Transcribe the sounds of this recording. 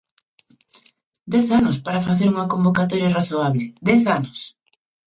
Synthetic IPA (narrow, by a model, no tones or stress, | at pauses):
d̪ɛθanʊspaɾafaθeɾuŋɐkombokat̪oɾjaraθoaβlɪd̪ɛθanʊs